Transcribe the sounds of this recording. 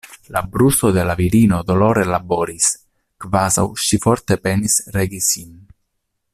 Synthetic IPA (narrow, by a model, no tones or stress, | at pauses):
labɾusod̪elaviɾinod̪oloɾelaboːɾis | kvaza̰wʃifɔɾt̪epɛnisɾeɡisin